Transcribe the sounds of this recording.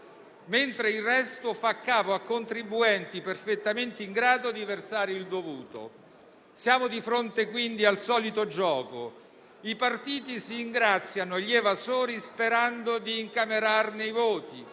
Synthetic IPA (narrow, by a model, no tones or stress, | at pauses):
ment̪ɾeilrɛst̪ofakːaːpoakːont̪ɾibːuɛnt̪iperfet̪ːament̪eiŋɡɾaːd̪od̪iversaːɾeild̪ovuːt̪o̰ | sjaːmod̪ifɾont̪ekwind̪ialsɔːlit̪od͡ʒɔːko | ipart̪iːt̪isiːŋɡɾat̪sːjanoʎːevazoːɾispeɾand̪od̪iːŋkameɾarneivoːt̪i